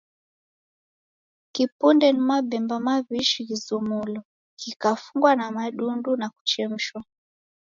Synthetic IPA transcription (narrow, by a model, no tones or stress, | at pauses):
kipundɛnimaɓɛmbamaβiʃiɣizumulɔ | kikafuŋɡwanamaɗundunaku̥t͡ʃɛm̩ʃwa